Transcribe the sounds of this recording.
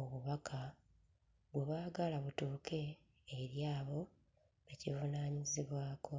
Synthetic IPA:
oβuβakʰa | βweβaːɡalaβutuːke̞ː | ɾjaːβo̞ | ecivunaːɲiziβwaːkʰo̞

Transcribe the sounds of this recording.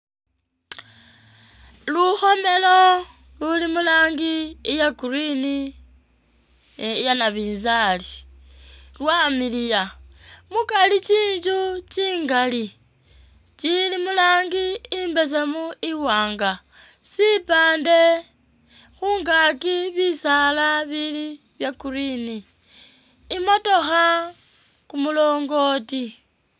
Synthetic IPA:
luxo̞me̞lo̞ | lulimulaːŋɡiːjakuɾini | janaβiːnzali | lwaːmilijamukalit͡ʃiːɲd͡ʒut͡ʃiːŋɡali | t͡ʃilimulaːŋɡiːmbe̞s̬emuiwaːŋɡa | sipaːnde̞ | xuːŋɡakiβisalaβili | βjakuɾini | moto̞xa | kumulo̞ːŋɡo̞ːti

